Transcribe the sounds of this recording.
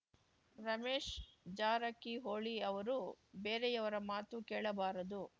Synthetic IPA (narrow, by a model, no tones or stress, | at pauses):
ɾɐmeːʂd͡ʒaːɾɐkːiɦoːɭiɐʋɐɾubeːɾejɐʋɐɾɐmaːt̪ukeːɭɐbaːɾɐd̪u